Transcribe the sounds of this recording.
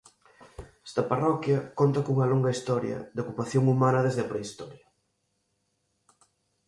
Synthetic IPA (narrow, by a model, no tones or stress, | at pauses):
ɛ̥st̪ɐparɔkjɐkont̪ɐkouŋɐloŋɡɐist̪ɔɾjɐ̰d̪okupaθjoŋumãnɐðezðɪɐpɾeist̪ɔɾjɐ